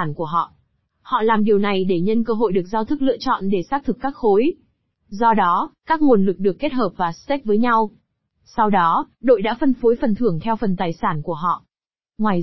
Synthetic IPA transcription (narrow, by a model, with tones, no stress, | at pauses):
a˧˩nku˧˩əɦɔ̰˧˨ʔ | hɔ̰˧˨laː˨˩mɗi˨˩əwna˨˩jɗe˧˩ɲə˧nkəː˧ɦo̰˧˨jɗɨ˨˩ək̚zaː˧wt̪ʰɨ˦˥k̚lɨ̰˧ət͡ɕɔ̰˧˨nɗe˧˩saː˦˥k̚t̪ʰɨ˨˩kːaː˦˥k̚xo˨˦j | zɔ˧ɗɔ˨˦kaː˦˥k̚ŋo˨˩nlɨ˨˩k̚ɗɨ˨˩əkːe˦˥t̚həː˨˩p̚vaː˨˩st̪ɛ˦˥k̚vəː˨˦jɲa˧w | sa˧wɗɔ˨˦ɗo̰˧˨jɗa̰ː˧˥fə˧nfo˨˦jfə˨˩nt̪ʰɨ˧˩əŋt̪ʰɛ˧wfə˨˩nt̪aː˨˩jsaː˧˩nku˧˩əɦɔ̰˧˨ʔ | ŋwaː˨˩j